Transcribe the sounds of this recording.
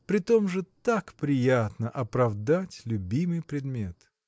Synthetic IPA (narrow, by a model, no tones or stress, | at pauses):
pɾʲɪt̪o̞mʐɨt̪akpɾʲɪjat̪nəʔɐpɾɐvd̪atʲlʲʊbʲimɨjpɾʲɪd̪mʲe̞t̪